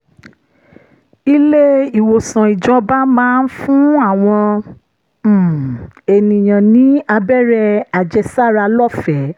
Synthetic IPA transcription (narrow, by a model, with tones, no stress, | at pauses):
i˧le˦i˨wo˨sã˨i˨d͡ʒɔ˧˦ba˦mãː˦n̩˦fũ˦a˦˨w̃ɔ̃˧˨ | e˨nĩ˨j̃ã˨nĩ˨˦a˧bɛ˦ɾɛ˧a˨d͡ʒɛ˧sa˦˨ɾa˧lɔ˦˨fɛ˨˦